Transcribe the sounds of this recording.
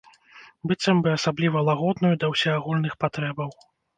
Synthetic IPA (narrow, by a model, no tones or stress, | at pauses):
bɨt̪sɐmbɨasablʲivɐlˠaɣɔd̪nujud̪ɐwsʲɛaɣulʲnɨxpat̪ɾɛbɐw